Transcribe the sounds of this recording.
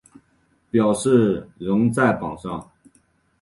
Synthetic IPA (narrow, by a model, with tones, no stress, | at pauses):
pjɑ˨˩ʊʂɻ̩˥˩ɻʊ˧˥ŋt͡sa˥˩ɪpɑ˨˩ʂɑ˥˩ŋ